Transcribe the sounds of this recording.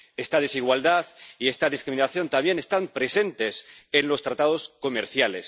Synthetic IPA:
e̞st̪að̞e̞siɣwald̪aðie̞st̪aðiskɾiminaθjo̞nt̪amje̞ne̞st̪ampɾe̞se̞nt̪e̞senlo̞st̪ɾat̪að̞o̞sko̞meɾθjale̞s

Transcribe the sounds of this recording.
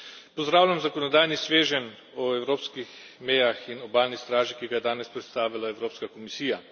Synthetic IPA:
pɔzd̪ɾaːwlʲamzakɔnɔd̪aːjnisʋeːʒɛn | ɔɛwɾoːpskix | mɛjaxinɔbaːlnist̪ɾaːʒikiːɡajɛd̪aːnɛspɾɛt̪st̪aːʋilaɛwɾoːpskakɔmisiːja

